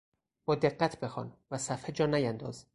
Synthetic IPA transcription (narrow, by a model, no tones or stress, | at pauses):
b̥ɒːd̪e̞ɢːæt̪ʰbe̞xɒ̰ːnvæsæfhed͡ʒɒːnæjænd̪ɒ̰ːz